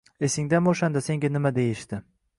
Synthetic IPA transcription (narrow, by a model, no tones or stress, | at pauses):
e̞sɪŋd̪anoʃand̪ase̞ŋɡʲanɪmad̪e̞jɪʃt̪ɪ